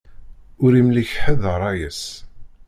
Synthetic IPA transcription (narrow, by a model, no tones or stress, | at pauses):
ʊɾimliçħəðəɾˤɑjəs